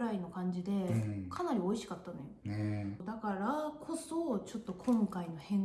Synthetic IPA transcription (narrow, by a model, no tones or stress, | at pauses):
ɾaino̞kãɲ̟d͡ʑid̪e̞kʰanaɾʲio̞iɕi̥kat̪ːanojo̞d̪akaɾakʰo̞so̞t͡ɕo̞t̪ːo̞kʰõ̞ŋkaino̞hẽ̞ŋ